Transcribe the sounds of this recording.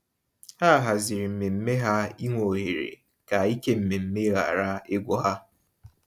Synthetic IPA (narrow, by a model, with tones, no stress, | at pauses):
ha˦˨ɦa˨zɪ˨ɾi˨m̩˨me˨m̩˦me˦ɦa˦i˦ŋʷo˨ɦe˨ɾḛ˨ | ka˨i˦ke˦m̩˨me˨m̩˦me˦ɣa̰˨ɾa˦ɪ˦ɡʷɔ˦ɦa˦